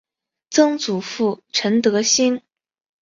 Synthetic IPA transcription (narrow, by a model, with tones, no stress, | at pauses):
t͡sɤ˥ŋt͡su˨˩fu˥˩ʈ͡ʂʰə˧˥nt̪ɤ˧˥ɕi˥n